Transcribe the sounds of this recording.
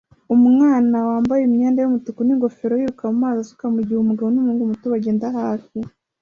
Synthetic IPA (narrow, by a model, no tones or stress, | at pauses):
umŋaːnawaːmbajemɲeːndajumutukuniŋɡo̞feɾojiːɾukamumaːzasu̥kamuɟihumuɡaβonumuːŋɡumutuwaɟeːndahaːfi